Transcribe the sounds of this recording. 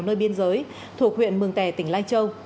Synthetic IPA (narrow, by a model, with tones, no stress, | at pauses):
wnəː˧jɓi˧ənzəː˨˦j | t̪ʰu˨˩ək̚hwḭ˧˨ənmɨ˨˩əŋt̪ɛ˧˩t̪ï˧˩ŋ̟la˧jŋt͡ɕə˧w